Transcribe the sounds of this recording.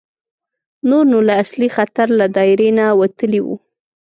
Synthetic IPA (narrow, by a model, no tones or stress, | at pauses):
noɾnolaːslixat̪aɾlad̪ɑɪɾenawat̪əliwṵ